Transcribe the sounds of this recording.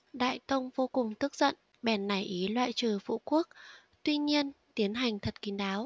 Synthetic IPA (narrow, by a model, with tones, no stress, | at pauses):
ɗa̰ː˧˨jt̪ə˧wŋ͡mvo˧kʊ˨˩ŋ͡mt̪ɨ˦˥k̚z̥ə̰˧˨n | ɓɛ˨˩nːa˨˩jʔi˨˦lwa̰ː˧˨jt͡ɕɨː˨˩fṵ˧˨ku˦˥ək̚ | t̪wi˧ɲi˧ənt̪i˨˦ənɦa˨˩jŋ̟t̪ʰə˨˩t̚ki˨˦nɗaː˨˦w